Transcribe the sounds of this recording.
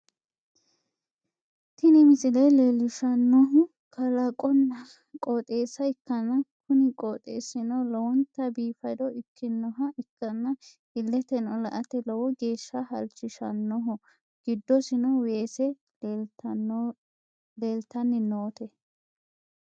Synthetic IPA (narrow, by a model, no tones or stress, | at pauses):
t̪ɪnɛmɪsɪlɐjlelɪʃɐnːɔɦʊ | kʰɐlɐkʼɔnːɐ | kʼɔːt̪ʼeːsɐɪkːɐnːɐkʊnɪkʼoːt̪ʼḛːsɪnɔlɔwɔnt̪ːɐbiːfɐjd̪ɔʔɪkʰːɪnːɔɦɐʔɪkːɐnːɐ | ɪlːɛt̪ɛnɔlɐʔɐt̪ɛlɔwɔɡe̞ːʃːɐhɐlt͡ʃːɪʃɐ̰nːɔɦɔ | ɡ̥ɪd̪ːɔsɪnɔweːsɛ | leːlt̪ɐnːɪnoːt̪ɛ